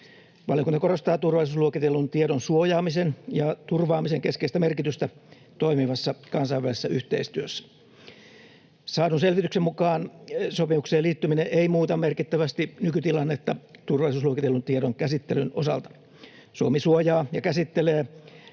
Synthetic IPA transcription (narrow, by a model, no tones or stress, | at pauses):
ʋɑljokunt̪ɑko̞rost̪ɑːt̪urʋɑlˑisusluokit̪elːunt̪ieɾonsuojɑːmisenjɑt̪urʋɑːmiseŋkeskeist̪æmerkit̪yst̪æ | t̪oimiʋɑsːɑkɑnsɑiʋælise̥sːæyht̪eist̪yøsːæ̥ | sɑːdunselʋit̪yksemmukɑːnsopimukseːliːt̪ːymineʔeimuːt̪ɑmerkit̪ːæʋæst̪inykyt̪ilɑnːet̪ːɑt̪urʋɑlˑisuːsluokit̪elːunt̪ieɾoŋkæsit̪ːelyno̞sɑ̰lt̪ɑ̥ | suomisuojɑːjɑkæsit̪ːeleː